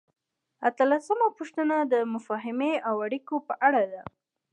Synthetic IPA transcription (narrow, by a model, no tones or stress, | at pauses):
at̪əlasəmapoʃt̪ənad̪əmʊfɑɦɪmeawaɽikopəʔaɽad̪a